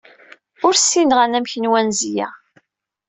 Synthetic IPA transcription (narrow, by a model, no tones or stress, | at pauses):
ʊɾsːinʁanæmçənwænzjæ̰